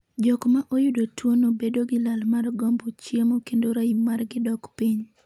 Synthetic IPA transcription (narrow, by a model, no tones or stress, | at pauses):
d͡ʒɔkmaʔojʊdotwonobedoɡɪlalmarɡɔmbot͡ʃjemokendoɾaimarɡɪdɔkpiɲ